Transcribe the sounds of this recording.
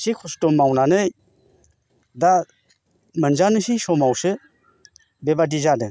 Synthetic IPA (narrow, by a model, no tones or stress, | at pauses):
sikʰɔstɔmːawnanɯj | da | mɯnzanɯsisɔmawsɯ | bebadizadɯ